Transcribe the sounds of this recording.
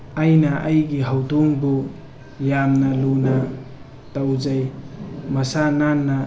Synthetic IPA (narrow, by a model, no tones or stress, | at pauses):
ajnɐʔajɡiɦawdoŋbo | jamnɐluna | tawzajmɐsananːɐ